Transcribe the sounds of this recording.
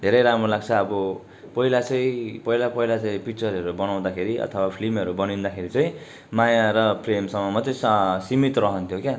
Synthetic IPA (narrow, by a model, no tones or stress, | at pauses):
d̪ʱeɾʌjɾamɾolaɡt͡sʰʌːbʌ | pʌilat͡sʌĩpʌɦilapʌilat͡saj̃pik̚t͡sʌɾʌɾubʌnaw̃d̪akʰeɾiʔʌ̰t̪ʰʌwapʰlimʌɾubʌnind̪akʰeɾit͡saj̃ | majaɾʌpʰremsʌmʌmat͡saj̃sʌsimit̪rʌɦʌnt̪ʰjokja